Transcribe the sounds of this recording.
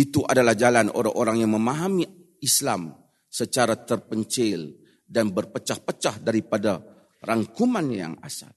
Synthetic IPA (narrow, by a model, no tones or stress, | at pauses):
it̪uʔadalahd͡ʒalanʔo̰ɾa̰ŋʔoɾaŋjaŋməmaɦami | islam | sət͡ʃaɾat̪ərpəɲt͡ʃɪl | danbərpət͡ʃahpət͡ʃahdaɾipada | raŋkumanja̰ŋa̰sa̰l